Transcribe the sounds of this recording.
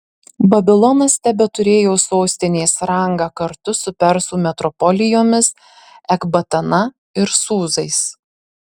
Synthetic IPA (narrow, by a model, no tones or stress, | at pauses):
bɐbʲɪlˠɔnɐst̪ʲæbʲɛt̪ʊɾʲeːjoːsoːsʲt̪ʲɪnʲeːsɾɐŋɡɑːkɐɾt̪ʊsʊpʲɛɾsuːmʲɛt̪ɾɔpɔlʲɪjoːmʲɪs | ɛɡbɐt̪ɐnɐ | ɪɾsuːzɐɪs